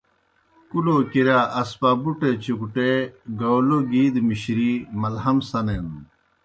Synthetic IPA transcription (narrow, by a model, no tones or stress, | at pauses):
kuloːkiɾaːʔɐspaːbuʈet͡ɕukʈeɡɐwloɡiːd̪miɕɾimɐlɦɐmsɐnen